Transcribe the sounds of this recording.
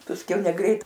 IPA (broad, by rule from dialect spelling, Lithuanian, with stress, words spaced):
pɐsʲˈkʲɛʊ nʲɛˈɡrʲɛɪt